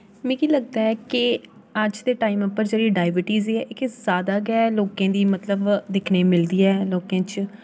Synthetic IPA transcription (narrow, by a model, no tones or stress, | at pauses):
mɛ̃ːkiːləɡ̚d̪aːɛːkɪ | əd͡ʒd̪eːʈaːɪməpːəɾd͡ʒeːɽiːɖaːɪbɪʈiːzeːɛːʔkzjaːd̪aːɡɛːloːkẽːd̪iːmət̪ləbd̪ɪkʰneːmɪld̪iːɛːloːkẽːt͡ʃ